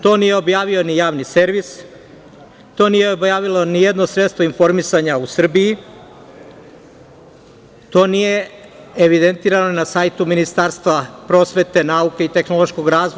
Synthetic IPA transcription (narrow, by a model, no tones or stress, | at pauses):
t̪o̞ːnije̞o̞bjaːʋio̞nijaːʋnise̞ɾʋis | t̪o̞ːnije̞objaːʋilo̞nijed̪no̞sɾet̪st̪ʋoinfo̞ɾmisaɲausr̩biji | t̪o̞ːnije̞ | eʋid̪ent̪iːɾano̞nasaːjt̪uminist̪aɾst̪ʋapɾo̞ːsʋe̞t̪e̞nauke̞it̪e̞xnolˠo̞ʃko̞ɡɾaːzʋo